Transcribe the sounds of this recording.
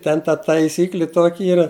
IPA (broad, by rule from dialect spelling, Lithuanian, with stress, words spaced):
ˈtʲɛn tɐ tɐɪˈsʲiːklʲɪ ˈtoːkʲɪ ˈiːrɐ